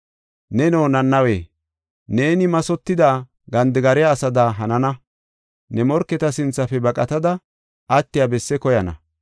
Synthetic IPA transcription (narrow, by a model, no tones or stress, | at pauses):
nɛnoːnɐnːɐwḛː | neːnɪmɐsɔt̪ːɪd̪aː | ɡɐnd̪ɪɡɐɾɛjaːsɐd̪aɦɐnɐnɐ | nɛmɔɾkːɛt̪ɐsɪnt͡sːɐfɛbɐkʼɐt̪ɐd̪ɐ | ʔɐt̪ːɪjabɛsːɛkɔjɐnɐ̰